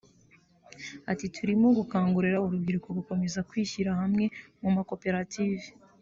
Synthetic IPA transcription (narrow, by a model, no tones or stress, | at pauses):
atitʰuɾimoɡukaːŋɡuɾeɾauɾubɡiɾuko̞βuko̞me̞zakwiːçiɾahamŋe̞mumako̞pe̞ɾatiːve